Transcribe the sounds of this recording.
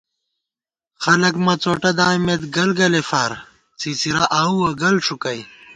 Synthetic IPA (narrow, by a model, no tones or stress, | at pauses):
xɐlɐkmɐt͡soːʈɐd̪aːjmet̪ɡɐlɡɐlefaːɾ | t͡sit͡siɾaʔaːuɐɡɐlʂukɐj